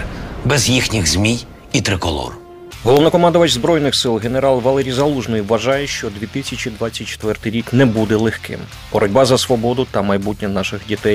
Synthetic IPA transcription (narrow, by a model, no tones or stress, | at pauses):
bɛzjixnʲiɣzmʲij | it̪ɾɪkɔ̰lˠɔ̰r | ɦɔlˠɔwnɐkɔmɑnd̪ɔʋɐt͡ʃzbɾɔjnɪxsɪlˠɦene̞ɾɑlˠʋɐlˠɛɾʲijzɐlˠuʒnɔjiʋːɐʒɑjɛʃt͡ʃɔd̪ʲʋʲit̪ɪsʲɐt͡ʃid̪ʋɑt͡sʲːɐt̚ʲt͡ʃːe̥t̪ʋɛrt̪ɪjɾʲiknɛbud̪ɛlˠexkɪ̰m | b̥ɔɾʔɔdʲbɑzɐsʋɔbɔd̪ʊt̪ɐmɐjbutʲnʲɐnɑʃɪɣdʲit̪ɛj